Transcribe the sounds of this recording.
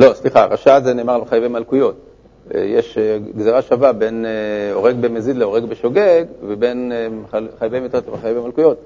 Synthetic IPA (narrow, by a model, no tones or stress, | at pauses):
lo̞sliχaʁaʃazeneːmaʁleχajvemalkujo̞t̚ | jeʃɡzeʁaʃavabeneo̞̰ʁe̞ɡbemezid̪leo̞ʁeɡbeʃoɡeɡvebe̞n | χajbejmit̪ʁot̪lemχajvemalkujo̞t̪̚